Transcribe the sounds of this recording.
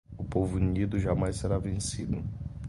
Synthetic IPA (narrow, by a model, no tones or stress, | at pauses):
ʊpovʊnid̪ʊʒamajseɾavẽsid̪ʊ